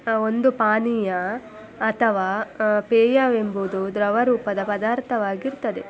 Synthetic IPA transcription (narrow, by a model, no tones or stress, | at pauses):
ond̪upaːnijɐː | t̪ʰɐʋaːpeːjaʋe̞mbud̪ud̪ɾɐʋɐɾuːpɐd̪ɐpɐd̪aːɾt̪ʰɐʋaːɡiɾt̪ɐd̪e